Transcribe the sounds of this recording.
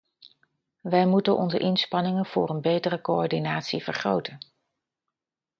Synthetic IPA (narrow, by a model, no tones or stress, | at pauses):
ʋɛjmutənʔɔ̰nzə̰ʔɪnspɑnɪŋəv̥ʊ̰ːrənbejtərəkoɔɹdinaːtsivəɹχrowtən